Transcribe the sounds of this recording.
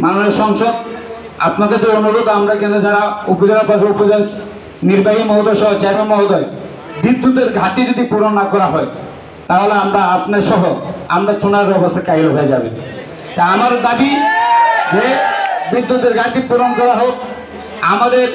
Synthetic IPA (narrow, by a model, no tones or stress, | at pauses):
manoneɾʃɔŋʃod̪ | a̰pnaɾkat͡ɕʰeonoɾod̪amɾaɾkɛned͡ʑaɽaupod͡ʑanaɾpat͡ʃʰeopod͡ʑan | niɾbaɦimɔɦod̪ɔjʃɔɦot͡ɕajbemɔɦod̪ɔe | bɾid̪ːut̪eɾɡʱat̪id͡ʑod̪ipuɾonːakɔɾaɦɔe | t̪aɦoleamɾaapnaɾʃɔɦoa̰mɾat͡ʃonaɾbɛbost̪ʰakaiɾoɦoed͡ʑa̰bḛ | t̪aamaɾd̪abi | d͡ʑebid̪ːut̪eɾɡʱat̪ipuɾonkɔɾaɦok̚ | amad̪eɾ